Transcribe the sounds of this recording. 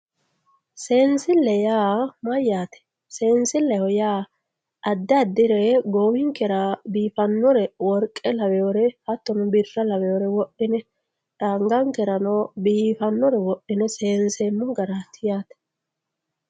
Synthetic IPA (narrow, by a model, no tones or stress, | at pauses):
seːnsɪlːɛjaːmɐjːaːt̪ɛ̥ | seːnsɪlːɛhɔjaː | ʔɐd̪ːɐd̪ːɪɾɛɡoːwɪŋkɛɾabiːfɐnːɔɾɛwɔɾkʼːɛlɐwɛjoɾɛhɐt̪ːɔnʊbɪrːɐlɐwɛɔɾɛwɔʔɪnɛ | ᶑaːŋɡɐŋkɛɾɐnoːbiːfɐnːɔɾɛwɔʔːɪnɛseːnsemːʊɡɐɾat̪ʰːɪjaːt̪ɛ̥